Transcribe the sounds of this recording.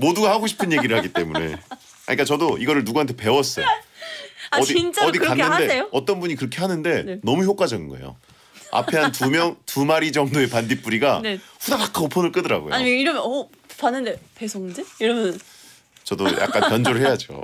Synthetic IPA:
moduɡahaɡoɕʰi̥pʰɯnje̞ɡiɾɯɭhaɡit͈e̞munne̞̰ | a̰ɲik͈at͡ɕʌdoʔiɡʌɾɯɭnuɡuɦantʰe̞pe̞wʌs͈ʌj | ʌdiint͡ɕ͈aʌdianːɯndeejoʌt͈ʌnbuɲikɯɾʌkʰe̞ɦhanɯnde̞nenʌmuçjok͈ad͡ʑʌɡinɡʌ̰ejo̰ | a̰pʰe̞ɦantumjʌŋtumaɾid͡ʑʌŋdoe̞pandip͈uɾiɡanɸudapak͈ʰaopʰʌnɯɭk͈ɯdɯɾa̰ɡo̰joa̰ɲimeiɾʌmjʌʌ | panːɯnde̞pesʰoŋɯnd͡ʑejʌɾʌbʌn | t͡ɕʌdoja̰kk͈anjʌnd͡ʑoɾɯɭɦe̞jad͡ʑo̰

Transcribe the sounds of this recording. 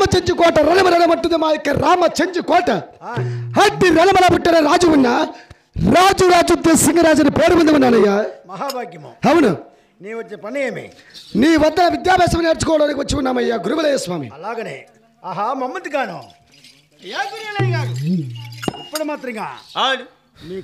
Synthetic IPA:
amɐt͡ʃɐɲd͡ʒukoːʈɐɾɐnɐmɐɾɐnɐmɐʈːund̪ɐmaːjɐkːɐɾaːmɐt͡ʃɐɲd͡ʒukoːʈːɐ | hɐt̪ːiɾɐnɐmɐlɐpuʈːɐɾɐɾaːd͡ʒuʋunːɐ | ɾaːd͡ʒuɾaːd͡ʒud̪jɐsiŋɡɐɾaːd͡ʒɐnipeːɾubɐnd̪ɐʋɐnːaːnɐjːaːmɐɦaːbʱaːɡjɐmo̰ɦɐʋɐnu | niːʋɐt͡ʃːɐpɐɳːɐjeːmḛ | niːʋɐt̪ːɐnɐʋɪd̪jaːbeːsɐmɐneːɾt͡ʃːikːoːɽɐːɐɾɐkːɐʋɐt͡ʃːɐʋɐnːɐːmɐjaːɡʊɾuʋɐleːjɐsʋaːmḭɐlaːɡɐnḛ | aːɦaːmɐmːɐt̪ːɡaːno̰ː | jaːkuɾɐlɐŋaː | ɐpːɐɽɐmaːt̪ɾiːŋɡa̰ː

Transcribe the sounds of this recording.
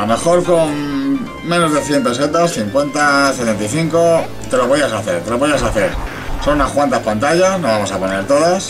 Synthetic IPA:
ome̞xo̞ɾko̞ŋ | mːẽ̞no̞zðe̞θje̞mpeset̪asθiŋkwe̞nt̪aset̪e̞nt̪ajθiŋko | t̪e̞loβojasaθeɾt̪e̞loβojasaθe̞ɾ | so̞nunaskwant̪aspant̪aʝasnoβamo̞sapo̞ne̞ɾt̪o̞ðas

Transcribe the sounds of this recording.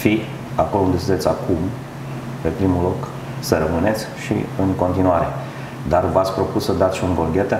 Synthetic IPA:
fi | ako̞lound̪esiesʲakʰum | pe̞pɾimulo̞k | səɾəmɨne̞t̪sʲʃḭɨŋko̞nt̪inuaɾe̞ | d̪arvat̪sʲpɾo̞pussəd̪at̪sʃiuŋɡolɡʲet̪a

